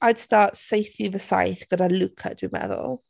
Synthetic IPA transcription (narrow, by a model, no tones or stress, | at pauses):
aɪd̥stɑːˑtseɪθɪðəsa̰jθɡ̥əɾaɪlʊkʰə̰ʔd̥imɛ̰ðə̰lˠ